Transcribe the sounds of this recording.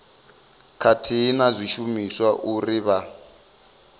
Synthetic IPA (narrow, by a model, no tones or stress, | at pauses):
kʰatʰiːnazʷiʃumiswaʔuriβa